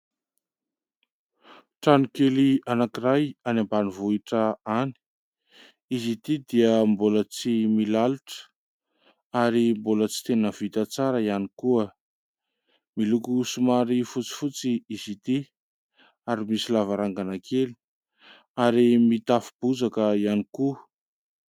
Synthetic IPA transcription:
ʈ͡ʂanikelianakiɾajanambanivuiʈ͡ʂəani̥ | izit̪id̪iəmbolət͡similaluʈ͡ʂə̥ | aɾimbolət͡si̥t̪enəv̥it̪at͡saɾəianikuə | milukusumaɾifut͡si̥fut͡siizit̪i | aɾimisilavaɾaŋɡanakʰeli | aɾimit̪afib̥ud͡zakəianiku

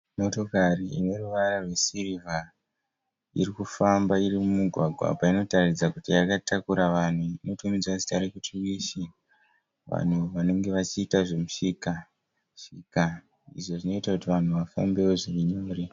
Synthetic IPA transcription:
mo̞to̞kariine̞ruʋaɾarwe̞sirivʱa | ḭrikufambairimumuɡʱwaɡʱwa̰paino̞tarid͡zakutijakatʰakuɾaʋan̤uino̞tumid͡zwazi̥taɾekutiwiːʃi | ʋa̰n̤uʋano̞ŋɡe̞ʋat͡ʃiːtaʐe̞muʂiːka | ʃika | ḭʐo̞ʐino̞itakutiʋan̤uʋafa̰mbe̞oʐiriɲo̞ːre

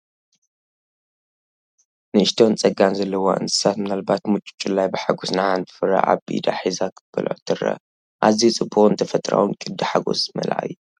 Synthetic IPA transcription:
nɨɨʃt̪ʰont͡sʼɐɡanzɐlːɐwo̰ʔɨ̰nt̪ɨ̥sat̪mɨnalbat̪mut͡ʃʼu̥t͡ʃʼulːajbɨħaɡosnaʕaɨnt̪ʰɨ̥fɨɾa̰ʔa̰βbḭd̪a̰ħizakʰɨb̥ɐ̰lʔʕt̪ʰɨɾɐ̰ | ʔazit͡sʼɨbːuχʼɨnt̪ʰɐfɐt̪ʼɾa̰wunkʼɨd̪ɨħaɡo̞̰smɐ̰lʔa̰ju

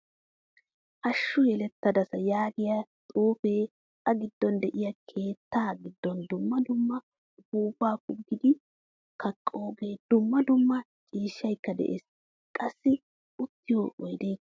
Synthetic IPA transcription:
ʔɐʃːʊjɛlɛt̪ːɐd̪ɐsɐjaːɡɪjɐt̪ʼuːfe̞ː | ɐɡɪd̪ːɔnd̪ɛʔɪjɐkʰe̞ːt̪ʰːaːɡɪd̪ːɔnd̪ʊmːɐd̪ʊmːɐ | buːbaːkʊɡːɪd̪ɪ | kɐkʼːo̞ːɡeːd̪̥ʊmːɐd̪ʊmːɐ | t͡ʃʼiːʃːɐjkːɐd̪ɛ̰ʔḛːs | kʼɐsːɪ | ʊt̪ːɪjoːʔɔjd̪eː

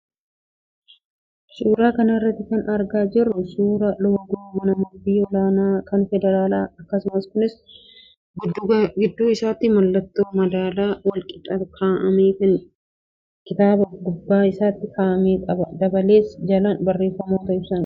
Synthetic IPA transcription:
suːɾaːkɐnɐɪrːɐt̪ːɪkɐnɐɾɡaːd͡ʒɪrːʊsuːɾɐlɔwɐɡʊmɐnɐmʊbiːɔlaːnaːkɐnfɛd̪ɛɾaːlaːɐkːɐsʊmɐskʊnɪs | ɡɡɪd̪ːuːɪsaːt̪ɪmɐlːɐt̪ːoːmɐd̪aːlaːwɐlkʼɪ̥t̪ʼɐkʰaːʔɐmeːkɐŋ | kɪt̪aːbɐɡʊbːaːɪsaːt̪ːɪkaːʔɐmeːkʼɐbɐd̪ɐbɐle̞ːsd͡ʒɐlɐnbɐrːe̞ːfːɐmoːt̪ɐɪbsɐŋ

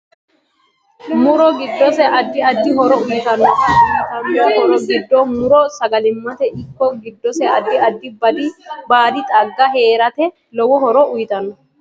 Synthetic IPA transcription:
mʊɾɔɡɪd̪ːɔsɛʔɐd̪ːɪɐd̪ːɪɦɔɾɔʊjɪt̪ɐnɔt̪ɐnːɔhɔɾɔɡɪd̪ːɔmʊɾɔsɐɡɐlɪmːɐt̪ɛʔɪkːɔɡɪd̪ːɔsɛɐd̪ːɪɐd̪ːɪbɐd̪ibaːd̪ɪt̪ʼɐɡːɐɦe̞ːɾɐt̪ɛ | lɔwɔhɔɾɔʊjɪt̪ɐnɔ

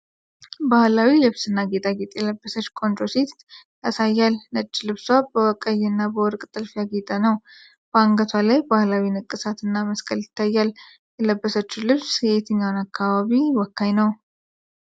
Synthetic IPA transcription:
bahlawilɨβsɨnːaɡe̞t̪ʼaɡet̪ʼjɛləbːəsət͡ʃːkʼont̪ɾoset̪ | asajːalnət͡ʃʼːilɨβswabəwɔkʼəjɨnːabəwɔɾkʼt̪ʼɨlfijaɡet̪ʼanəw | b̥əaŋɡət̪ʰwalajbahlawinɨkʼːɨsat̪ɨnːaməskʰʼəlɪt̪ʰːajːal | jɛləbːəsət͡ʃːulɨβsjɛet̪ʰəɲːawnakʰːaβaβiwɔkːajnəw

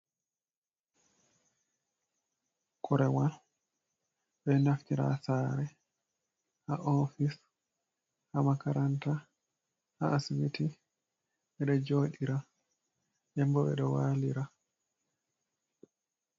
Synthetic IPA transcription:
kʰɔɾɛwal | ɓɛnaftiɾa̰saːɾɛ | haʔɔfis | hamakaɾanta | haːsimiti | ɛɗɔd͡ʒoːɗiɾa | ʔɛmbɔɓɛ̰ɗɔwaːliɾa

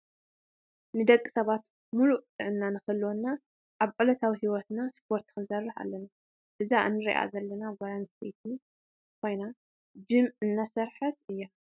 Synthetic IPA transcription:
nɨd̪ɐkʼːisɐβat̪ | muluʔt̪ʼɨʕɨnːanɨxɨlːwonːa | ʔaβʕulɐt̪ʰawihiwɔt̪naspʰo̞ɾt̪kɨnsɐrːɨħa̰lːɐna | ʔɨzaʔɨ̰nːɨɾḭʔa̰zɐlːɐnaɡaɾanstʰet̪ʰi | kʰo̞jna | d͡ʒɨmʕɨnːasɐɾħɐt̪ɨjːa

